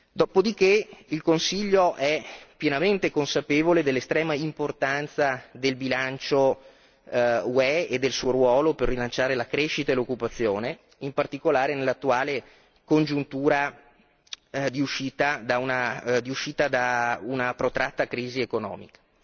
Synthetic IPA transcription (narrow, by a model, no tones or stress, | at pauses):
d̪ɔːpod̪ikeilkonsiʎːoʔɛpjenament̪ekonsapeːvoled̪elːest̪ɾɛːmaimport̪ant̪sad̪elbilant͡ʃo | uɛed̪ːelsuːoɾwɔːloperːilant͡ʃaːɾelakɾeʃit̪aelokːupat̪sːjoːne | impart̪ikolaːɾenelːat̪ːuaːle | kond͡ʒunt̪uːɾa | d̪iuʃiːt̪ad̪aunad̪iuʃiːt̪ad̪aunapɾot̪ɾʔat̪ːakɾiːziekonɔ̰ːmḭkḁ